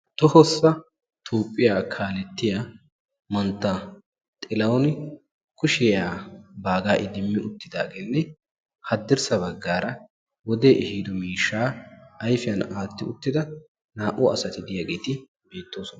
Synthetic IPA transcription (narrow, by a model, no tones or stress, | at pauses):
t̪ɔhɔsːɐ | t̪ʰoːpʼːɪjaːkʰaːlɛt̪ːɪja | mɐnt̪ːɐ | t̪ʼɪlɐwn | kʊʃɪjaːbaːɡaːʔɪd̪ɪmːɪʔʊt̪ːɪd̪a̰ːɡeːnːɛ | hɐd̪ːɪɾsɐbɐɡːaːɾɐ | wɔd̪eːʔɛhiːd̪ɔmiːʃːaːɐjfɪjɐnaːt̪ːɪʊt̪ːɪd̪ɐ | naːʔʊɐsɐt̪ɪd̪ɪjaɡeːt̪ɪ | be̞ːt̪ːo̞ːsɔnɐ